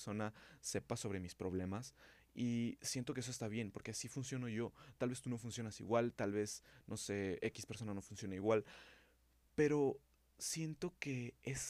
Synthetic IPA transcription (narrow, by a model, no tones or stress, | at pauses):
so̞nase̞paso̞β̞ɾe̞mispɾo̞β̞le̞mas | isje̞nt̪okeesoe̞st̪aβ̞je̞npo̞ɾkeasifunsjo̞no̞ʝo̞t̪alβe̞st̪uno̞funsjo̞nasḭɣwalt̪alβe̞snʔo̞se̞eki̥spe̞ɾso̞nano̞funsjo̞naiɣwal | pe̞ɾo̞ | sje̞nt̪o̞ke̞es